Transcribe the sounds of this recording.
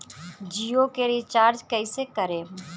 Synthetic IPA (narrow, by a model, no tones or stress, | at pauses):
d͡ʒiːjokeɾit͡ʃaːɾd͡ʒkəɪsekəɾeː